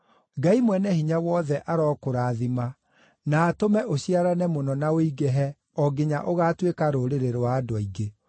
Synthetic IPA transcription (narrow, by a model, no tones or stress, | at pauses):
ɡaimwɛnɛhiɲawɔðɛʔaɾɔːkoɾaːðima | naːtomɛʔoɕiaɾanɛmonɔnaoiɣɛɦɛ | ɔɡeɲa̰ʔoɣaːtwekaɾoɾeɾeɾoaːdwaiɡe